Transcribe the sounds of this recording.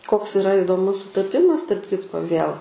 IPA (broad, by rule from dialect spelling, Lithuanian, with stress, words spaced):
koːks ɪˈrɐ ɪdoːˈmʊs sʊtɐˈpʲɪmɐs tɐrp ˈkʲɪtkoː ʋʲiɛlˠ